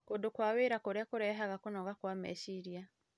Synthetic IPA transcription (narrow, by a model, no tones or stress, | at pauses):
kodokwaweɾakoɾeakoɾɛɦaɣakonɔɣakwamḛsiɾia